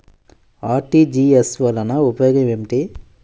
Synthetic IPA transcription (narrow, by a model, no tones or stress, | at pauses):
aːɾʈid͡ʒiːesʋɐlɐnɐupɐjoːɡɐmemʈi